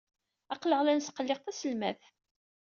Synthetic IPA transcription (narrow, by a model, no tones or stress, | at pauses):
ɑqləʁlænsqəlːɪqθæsəlmæθ